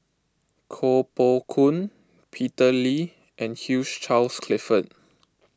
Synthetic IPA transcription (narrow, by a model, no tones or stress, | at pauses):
kʰopokʰũn | pʰitəli | ʔɛ̃nhjud͡ʒt͡ʃalskʰlɪfət̚